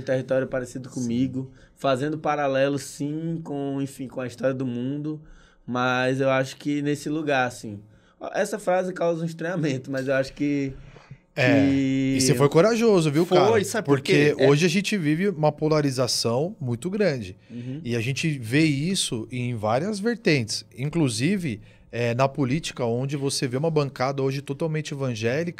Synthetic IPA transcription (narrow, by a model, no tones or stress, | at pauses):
ũt̪eɦit̪ɔɾjʊpaɾesid̪ʊkõmiɡʊ | fazẽnd̪ʊpaɾalɛlʊsĩkõẽfĩkõɐist̪ɔɾjɐd̪ʊmũnd̪ʊ | mɐzewaʃʊ̥kɪnesɪluɡaɾasĩ | ʔɛsɐfɾazɪkawzɐũist̪ɾẽamẽnt̪ʊmɐzewaʃʊ̥kɪ | ɛɪsefojkoɾaʒozʊviwkaojsabɪpoɾkeoʒɪaʒẽt͡ʃɪvivɪũmɐpolaɾizasɐ̃w̃mũj̃t̪ʊɡɾɐ̃d͡ʒɪ̃ɪaʒẽt͡ʃɪveisʊẽj̃vaɾiɐzveɾt̪ẽnt͡ʃɪ̥sĩŋkluzivɪ | ɛnɐpolit͡ʃi̥kɐõnd͡ʒɪvoseveũmɐbɐ̃ŋkad̪ɐoʒɪt̪ot̪awmẽnt͡ʃɪevɐ̃ʒɛlikɐ